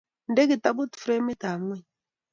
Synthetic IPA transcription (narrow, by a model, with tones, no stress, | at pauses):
n̩˦de˦kɪ˨ta˦bo˦tfɾe˦me˦ta˨ŋwɛ˦˨